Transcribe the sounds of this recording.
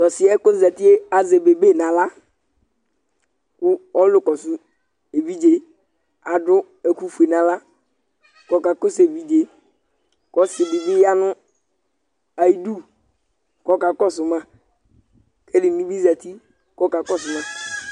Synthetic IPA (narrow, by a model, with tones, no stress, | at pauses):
tɔ˨sɪ˦ɛ˦ko˦za˨ti˦e˦a˨ze˨be˨be˦˨nã˨la˦ | kʊ˦ɔ˦lʊ˦kɔ˨sʊ˨˦ | e˨vi˦d͡ʒe˨ | a˨dʊ˦ | e˨ku˦fu˨e˨nã˨la˦ | kɔ˨˦ka˨ko˦se˨vi˨d͡ʒe˨ | kɔ˦sɪ˨bi˨bi˦ja˦nʊ˦ | a˨i˦du˦ | kɔ˦ka˨kɔ˦sʊ˨mã˦ | ke˦di˨nũ˦bi˦za˨ti˦ | kɔ˦ka˨kɔ˦˨sʊ˨mã˦